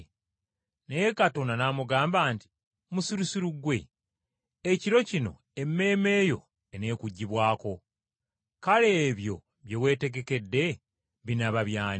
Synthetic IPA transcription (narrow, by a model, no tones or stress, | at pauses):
nejekato̞nanamuɡaːmbaːnti̥ | musiɾusiɾuɡwe̞̰ | eciɾo̞cino̞̰ | e̞mːe̞ːme̞ːjo̞̰ | ene̞ːkuɟːiβwaːko̞ | kale̞ːβjo̞ | βje̞we̞ːte̞ɡe̞ke̞dːe̞ | βinaβaβjaːn